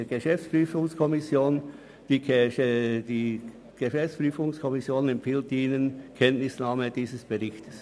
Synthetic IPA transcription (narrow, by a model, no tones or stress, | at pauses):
ɡəʃɛft͡spryːfʊŋskʰɔmɪsjoːn | d̥i | diː | ɡ̥əʃɛft͡spʁyːfʊŋskʰɔmɪsjoːnɛmpfiːltiːnənkʰɛntnɪsnaːməd̥iːzəsb̥əʁɪçtə̥s